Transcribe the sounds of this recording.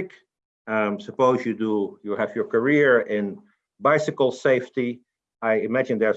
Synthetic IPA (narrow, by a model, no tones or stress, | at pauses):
ɪk | ãmsəpoʊzjɨdujuhævjə˞kə˞iɹɪ̃n | baɪsɨkl̩ˠseɪfti | aɪɪmæd͡ʒɨ̃nd̪ə˞